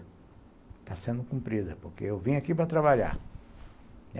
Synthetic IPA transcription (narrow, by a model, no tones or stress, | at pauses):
t̪asẽnd̪ʊkũmpɾid̪ɐpoɾkḛewvĩɲakipɾɐt̪ɾaβaʎa̰ɾ